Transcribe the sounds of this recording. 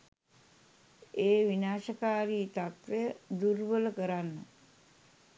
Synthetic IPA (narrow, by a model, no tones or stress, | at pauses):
eːʋinaːʃəkaːɾiːt̪at̪ʋejəd̪uɾʋələkəɾanːə